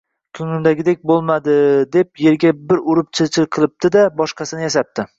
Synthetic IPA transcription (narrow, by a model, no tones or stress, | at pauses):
kʲʰʊnɪnd̪aɡʲɪd̪ek̚ʲbolˠmad̪ɪd̪e̞p̚je̞ɾɡʲabɪɾʊɾɪpt͡ʃʰɪt͡ʃʰɪɾqʰɨlˠɪp̚t̪ɪd̪abɒʃqɑsɪnɪjaʃap̚t̪ʰɪ